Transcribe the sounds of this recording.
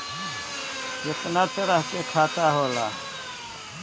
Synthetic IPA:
kɪt̪naːt̪əɾəɦkeːkʰaːt̪aːɦoːlaː

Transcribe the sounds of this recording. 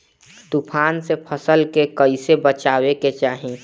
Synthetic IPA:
t̪upʰaːnsepʰəsəlkekəɪsebət͡ʃaːweket͡ʃaːɦĩ

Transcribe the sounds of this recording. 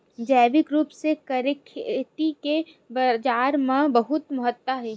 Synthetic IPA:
d͡ʒɛːʋɪkɾuːpsekɐɾɪkʰʈike | bɐd͡ʒaːɾmãbɐɦʊt̪məɦət̪ːaɦɛː

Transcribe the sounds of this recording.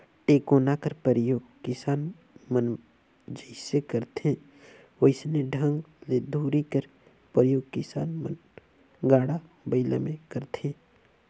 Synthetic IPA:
ʈeːkoːnakəɾpəɾəjoːɡkɪsaːn | mən | d͡ʒəɪsekəɾt̪ẽ | woɪsnẽɖʱə̃ŋɡled̪ʱuːɾikəɾ | pəɾjoːɡ̚kɪsaːnmə̰n | ɡaːɽa | bəɪlə̰mẽkəɾt̪ẽː

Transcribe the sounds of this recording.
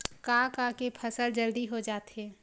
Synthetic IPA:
kakakepʰɐsəld͡ʒɐld̪iɦod͡ʒaːt̪ɦɛː

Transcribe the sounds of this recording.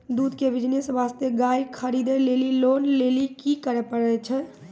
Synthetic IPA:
d̪ud̪kebid͡ʒnesʋast̪eɡajkʰəɾid̪elelilonlelikikəɾɛpəɽɛt͡ʃʰɛ

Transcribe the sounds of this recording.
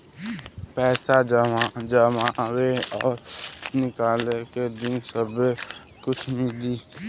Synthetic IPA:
pɛːsaəd͡ʒəmaweɔːɾnɪkaːleked̪ɪnsəb | kʊt͡ʃʰmɪliː

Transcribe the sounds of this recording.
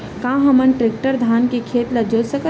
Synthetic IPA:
kãːɦɐmənʈɾɪk̚ʈəɾd̪ʱaːnkekʰeːt̪lɐd͡ʒosəkə

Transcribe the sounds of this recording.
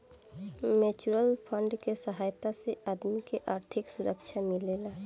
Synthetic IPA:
meːt͡ʃuɾəlpʰə̃ɳɖkesəɦaːjt̪aseʔaːd̪mikeʔaːɾt̪ʰɪksʊɾəkʃʰamɪleːlaː

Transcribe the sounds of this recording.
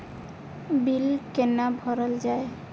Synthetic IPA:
bilkenabʱɔɾɔld͡ʒae

